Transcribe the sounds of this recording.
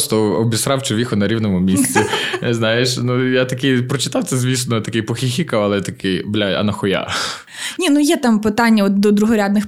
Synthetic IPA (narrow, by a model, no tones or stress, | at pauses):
st̪ɔɔbʲisɾɑwt͡ʃʊʋʲixʊnɐɾʲiwnɔmʊmʲisʲt͡sʲiznajeʃnujat̪ɐkɪjpɾɔt͡ʃɪ̥t̪ɑwt̪sɛzʲʋʲisnɔt̪ɐkɪjpɔxʲixʲikɐɐlˠɛt̪ɐkɪjblʲaɐ̰nɐxɔja̰ | nʲinujɛt̪ɑmpɪt̪ɑnʲːɐɔt̪̚d̪ɔd̪ɾʊɦɔɾʲad̪nɪx